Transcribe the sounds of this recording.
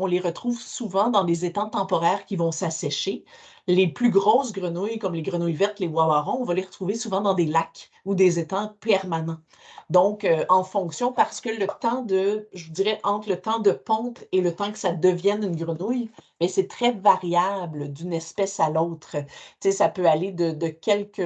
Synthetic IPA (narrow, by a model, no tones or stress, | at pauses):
ɔ̃leʁət̪χuːvsuvɑ̃d̪ɑ̃d̪ezet̪ɑ̃t̪ɑ̃pɔʁɛːʁkʲivɔ̃sasɛʃe | leplyɡʁosɡʁənujkɔmleɡʁənujvɛʁt̪lewaaʁɔ̃ɔ̃valeʁət̪χuvesuvɑ̃d̪ɑ̃d̪elak | ud̪ezet̪ɑ̃pɛʁmanɑ̃ | d̪ɔ̃køʔɑ̃fɔ̃ksjɔ̃paʁsə̥kələt̪ɑ̃d̪əʒvud̪iʁɛʔɑ̃t̪χlət̪ɑ̃d̪əpɔ̃telət̪ɑ̃kə̥sad̪əvjɛnynɡʁənujmɛsɛt̪χɛvaʁjabləd̪ynɛspɛsalɔt̪χət͡sesapøaled̪əd̪əkʲɛlkʲə